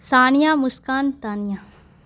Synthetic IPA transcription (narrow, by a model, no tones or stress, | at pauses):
saːnijaːmʊskaːnt̪aːnjaː